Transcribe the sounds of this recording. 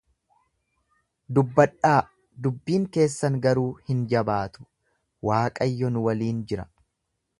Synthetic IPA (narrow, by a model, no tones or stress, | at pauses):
d̪ʊbːɐᶑːaː | d̪ʊbːiːŋke̞ːsːɐŋɡɐɾuːhɪnd͡ʒɐbaːt̪ʊ̥ | waːkʼɐjːɔnʊwɐliːnd͡ʒɪɾɐ